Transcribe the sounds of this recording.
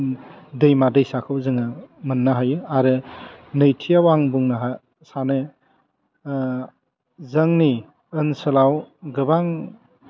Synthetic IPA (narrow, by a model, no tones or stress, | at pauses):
dɯjmadɯjsakʰɯwzɯŋɯmɯnːaɦajɯaɾɯnɯjtʰijawaŋbuŋnaɦa | sanɯ | zɐŋni | ɯnsɯlawɡɯbaŋ